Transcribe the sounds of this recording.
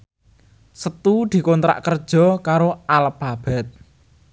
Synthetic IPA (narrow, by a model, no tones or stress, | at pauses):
sət̪ud̪̥i̤kont̪ɾa̰ʔkərd̥ʒ̥ɔ̤kaɾoalpab̥ɛt̪̚